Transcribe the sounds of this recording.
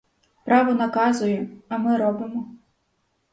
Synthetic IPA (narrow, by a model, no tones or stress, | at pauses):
pɾaʋɔnɐkazʊjɛɐmɪɾɔbɪmɔ